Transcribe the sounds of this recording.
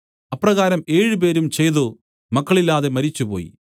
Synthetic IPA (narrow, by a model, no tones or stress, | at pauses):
ɐpːrɐɣaːɾɐmeːɻɨp̬e̞ːɾumt͡ɕe̞jðo | mɐkːɐɭilːaːðe̞mɐɾit͡ɕːupo̞̰ːjḭ